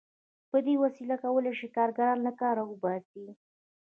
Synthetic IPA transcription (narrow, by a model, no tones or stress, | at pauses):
pəd̪ewasilakawəlaʃikɑɾɡaɾɑnlakɑɾawəbɑsi